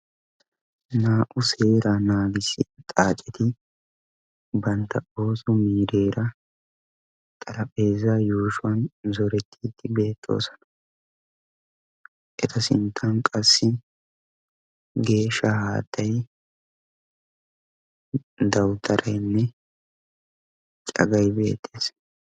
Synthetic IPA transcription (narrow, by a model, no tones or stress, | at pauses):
naːʔʊse̞ːɾanaːɡɪsɪt̪ʼaːt͡ʃʼɛt̪ɪ | bɐnt̪ʰːɐo̞ːsʊmiːɾe̞ːɾɐ | t̪ʼɐɾɐpʼe̞ːzaːjuːʃʊwɐnzɔɾɛt̪ʰːiːt̪ːɪbe̞ːt̪ʰːo̞̰ːsɔ̥nɐ̥ | ʔɛt̪ʰɐsɪ̰nt̪ʰːɐnkʼɐsːɪ | ɡe̞ːʃːɐhaːt̪ʰːɐj | d̪ɐwt̪ʰɐɾʔɐjnːɛ | t͡ʃʼɐ̰ɡɐjbe̞ːt̪ːe̞ːs